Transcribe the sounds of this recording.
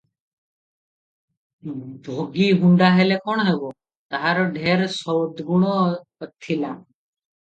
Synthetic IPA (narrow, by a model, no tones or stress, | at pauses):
bʱoɡiɦuɳɖaɦelekɔɳ̃ɦeɡo | t̪aɦaɾɔɖʱeːɾsɔwd̪ɡuɽ̃ɔət̪ʰːila